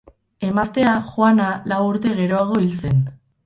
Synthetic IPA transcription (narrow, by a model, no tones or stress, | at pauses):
e̞mast̪e̞axwanalawuɾt̪e̞ɣe̞ɾo̞aɣ̞o̞ilt͡se̞n